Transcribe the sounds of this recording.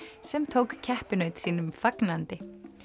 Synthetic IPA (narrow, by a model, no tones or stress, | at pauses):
sɛmt̪ʰowkcʰɛhpʏnœɥt̪siːnʏmfaknant̪ɪ